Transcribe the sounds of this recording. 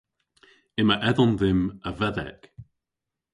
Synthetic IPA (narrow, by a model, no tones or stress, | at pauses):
ɪməʔɛðɔnðɪməvɛðɛ̰k